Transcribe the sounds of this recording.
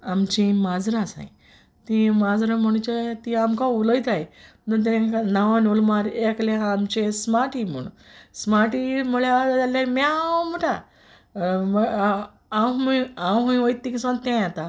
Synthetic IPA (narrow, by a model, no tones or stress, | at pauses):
amt͡ɕĩmad͡zɾãsã̰i | t̪ĩmad͡zɾaməɽ̃t͡ɕet̪iamkãuləjt̪aj | nət̪̬ɛ̃kanaʋanulmaɾekleɦãːmt͡ɕesmaʈim̤ə̰ɽ̃ṵ̃ | smaʈimuɭjaalːaɾmɛamuʈʰa | mə | awãwɦuĩʋəjt̪ːĩkisãt̪ẽjat̪a